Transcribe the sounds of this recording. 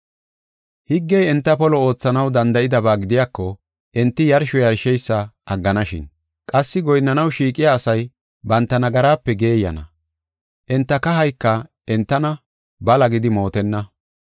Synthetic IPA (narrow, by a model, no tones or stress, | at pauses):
hɪɡːɛjɛnt̪ːɐpɔlɔo̞ːt͡sːɐnɐwd̪ɐnd̪ɐʔɪd̪ɐbaːɡɪd̪ɪjaːkːɔ | ʔɛnt̪ːɪjɐɾʃɔjɐɾʃɛjsːɐʔɐɡːɐnɐʃɪ̰n | kʼɐsːɪɡɔjnːɐnɐwʃiːkʼɪjaːsɐj | bɐnt̪ːɐnɐɡɐɾaːpːɛɡe̞ːjːɐ̰nɐ̰ | ʔɛnt̪ːɐkɐɦɐjkːɐ | ɛnt̪ːɐnɐ | bɐlɐɡɪd̪ɪmo̞ːt̪ɛnːɐ